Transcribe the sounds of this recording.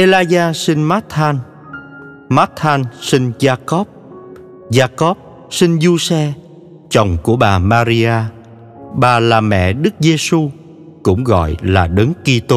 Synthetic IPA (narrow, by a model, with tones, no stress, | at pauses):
ʔe˧laː˧zaː˧sï˧nmaː˦˥t̚ʰaː˧n | ma˦˥t̚ʰːaː˧nsi˧ŋzaː˧kɔ˦˥p̚ | zaː˧kɔ˦˥p̚ | si˧nzu˧sɛ˧ | t͡ɕə˨˩wŋ͡mku˧˩əɓaː˨˩maː˧ɾi˧ʔaː˧ | ɓaː˨˩laː˨˩mɛ̰˧˨ɗɨ˦˥k̚ze˧su˧ | kʊ̰˧˥ŋ͡mɣɔ̰˧˨jlaː˨˩ɗə˨˦ŋki˧t̪o˧